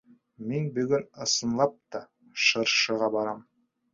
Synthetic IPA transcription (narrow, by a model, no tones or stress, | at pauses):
menbɵɡʲɪnəsənlˠɑp̚t̪ɑ | ʃəɾʃəʁɑbɑɾɑm